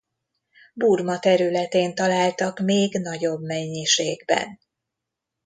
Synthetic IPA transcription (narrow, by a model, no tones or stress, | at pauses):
burmɒt̪ɛɾylɛt̪eːnt̪ɒlaːlt̪ɒkmeːɡnɒɟo̞bmɛɲːiʃeːɡbɛ̰n